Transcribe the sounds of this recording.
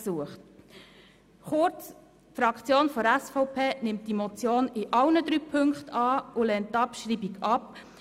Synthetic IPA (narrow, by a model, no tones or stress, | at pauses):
suəχt | χʊɾt͡s | fɾɑkχt͡sjoːnfɔɾæsfɔʊpʰeːnɪmtdimɔt͡sjoːnɪʔɑwnəd̪ɾyːpʰʏŋkχtɑːulɛːntːɑpʃriːbiɡɑp